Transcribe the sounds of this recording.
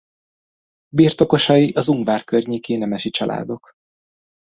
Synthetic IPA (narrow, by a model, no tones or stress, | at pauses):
birt̪o̞ko̞ʃɒjiʔɒzuŋɡvaːrkørɲeːkeːnɛmɛʃit͡ʃɒlʔa̰ːd̪o̞k